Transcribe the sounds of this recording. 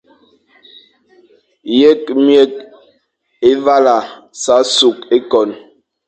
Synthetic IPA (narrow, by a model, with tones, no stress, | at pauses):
je˦k̚mjɛ˦˨k̚ | e˦va˦la˨sa˨˦su˨k̚e˦kɔ˨n